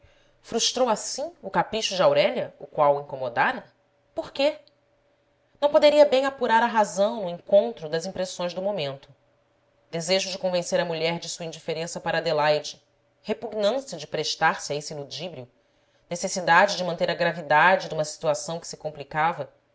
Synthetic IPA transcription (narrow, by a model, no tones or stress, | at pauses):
fɾuʃt̪ɾowasĩʊkapɾiʃʊd͡ʒɪawɾɛʎɐʊkwawĩŋkomod̪aɾɐ | poɾke | nɐ̃w̃pod̪eɾiɐbẽj̃apuɾaɾɐɦazɐ̃w̃nʊĩŋkõnt̪ɾʊd̪ɐzĩpɾesõj̃ʒd̪ʊmomẽnt̪ʊ̥ | d̪̥ezeʒʊd͡ʒɪkõvẽseɾɐmuʎɛɾd͡ʒɪsuɐĩɲd͡ʒifeɾẽsɐpaɾɐːd̪elajd͡ʒɪ | hepuɡnɐ̃sjɐd͡ʒɪpɾeʃt̪aɾsɪaesilud͡ʒibɾiu | nesesid̪ad͡ʒɪd͡ʒɪmɐ̃nt̪eɾɐɡɾavid̪ad͡ʒɪd̪ũmɐsi̥t̪uasɐ̃w̃kɪ̥sɪ̥kõmplikavɐ